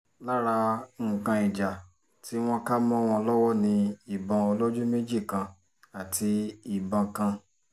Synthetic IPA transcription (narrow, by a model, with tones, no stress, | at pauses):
la˦ɾa˧˦ŋ̩˨kã˧i˨d͡ʒa˨ | ti˨˦w̃ɔ̃˦ka˦mɔ̃˦w̃ɔ̃˧ɔ˧lɔ˦wɔ˦nĩ˧i˨bã˧o˧lo˦d͡ʒũ˦me˦d͡ʒi˦˨kã˧ | a˨tʰi˧i˨bã˧kã˧